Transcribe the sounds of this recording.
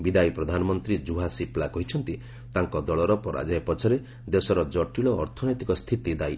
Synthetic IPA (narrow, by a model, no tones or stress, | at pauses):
bid̪ajpɾɔd̪ʱanɔmɔnt̪ɾid͡ʒuɦasiplakɔɦit͡ʃʰɔnt̪i | t̪aŋkɔd̪ɔɭɔɾɔpɔɾa̰d͡ʒajpɔt͡ʃʰɔɾe | d̪esɔɾɔd͡ʒɔʈiɭɔːɾt̪ʰɔnɔjt̪ikɔst̪ʰit̪id̪ai